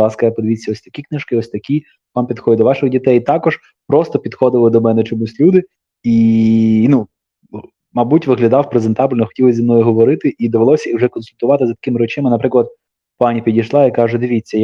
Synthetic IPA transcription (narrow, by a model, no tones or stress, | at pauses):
ɑskɐjapɔd̪ʲʋʲit͡sʲːɐɔsʲt̪ɐkʲiknɪʃkɪɔsʲt̪ɐkʲi | ʋɑmpʲid̪xɔdʲɪd̪ɔʋɑʃɪxdʲit̪ɛjt̪ɑkɔʒ | pɾɔst̪ɔpʲid̪xɔd̪ɪʋlˠɪd̪ɔmɛnɛt͡ʃɔmusʲlʲud̪ɪ | i | nu | mɐbutʲʋɪɦlʲɐd̪ɑwpɾezent̪ɑbʲlʲnɔxɔ̥tʲilˠzʲimnɔjʊɦɔʋɔɾɪt̪ɪʔid̪ɐʋelˠɔsʲɐiwʐɛkɔnsʊlʲt̪ʊʋɑt̪ɪzɐt̪ɐ̥kɪmɪɾɔt͡ʃɪmɪnɐpɾɪklˠɐd̪̚ | pɑnʲipʲidʲijʃlˠɑikɑʒʊd̪ɪʋʲit͡sʲːɐj